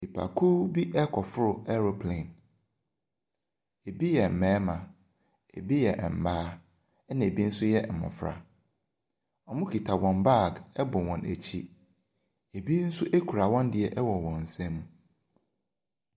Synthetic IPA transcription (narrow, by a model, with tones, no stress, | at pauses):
i˨pʰa̰˨kʰu˦bi˦ʔɛ˦kʰɔ˨fʊ˦ɾʊ˨ɛ˦ɾo˦pʰlẽ˨n | e˨bi˦jɛ˨m̩˨mɛ̃ː˦mã˨ | e˨bi˦jɛ˨ʔɛ˨m̩˨baː˦ | ɛ˦nã˨e˨bi˦n̩˦sʊ˦jɛ˦˨mɔ̰̃˨fɾa̰˨ | ɔ˨mʊ̃˦kʰi˨tʰa˨wɔ̃˨mba˦˨ɡɛ˦bʊ̃˨wɔ̃˨næ̰˨t͡ɕʰi˦ | e˨bi˦n̩˦sʊ˦ʔe˦kʰu˨ɾa˨wɔ̃˦ndɪ˨ɛ˨ʔɛ˦wɔ̃˨wɔ̃˨n̩˨sɛ̃˦mũ˨